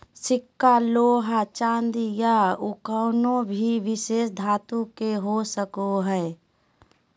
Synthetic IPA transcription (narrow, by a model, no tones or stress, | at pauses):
sɪkːaloːɦat͡ʃãːnd̪ijaʊkəːnõbʱiʋɪʃeːsd̪ʱaːt̪ũkeɦosəkoɦɛː